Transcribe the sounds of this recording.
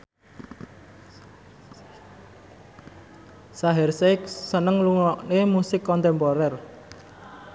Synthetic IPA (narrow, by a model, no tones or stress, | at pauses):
saɦɛrseksənəŋluŋɔʔnemusɪkːɔnt̪ɛmpɔɾɛr